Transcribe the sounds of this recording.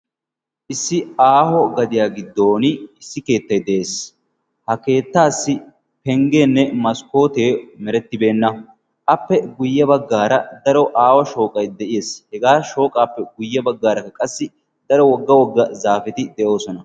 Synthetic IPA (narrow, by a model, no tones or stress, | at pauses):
ʔɪsːɪaːhɔɡɐd̪ɪjaːɡɪd̪ːo̞ːnɪɪsːɪke̞ːt̪ːɐjd̪ɛʔe̞ːs | hɐke̞ːt̪ːaːsːɪ | pɛŋɡeːnːɛmɐsko̞ːt̪e̞ːmɛɾɛt̪ːɪbe̞ːnːɐ | ʔɐpːɛɡʊjːɐbɐɡːaːɾɐd̪ɐɾɔʔaːwɐʃo̞ːkʼɐjd̪ɛʔɪjeːshɛɡaːʃo̞ːkʼaːpːɛɡʊjːɐbɐɡːaːɾɐkːɐkʼɐsːɪ | d̪̥ɐɾɔwɔɡːɐwɔɡːɐzaːfɪt̪ɪd̪ɛʔo̞ːsɔnɐ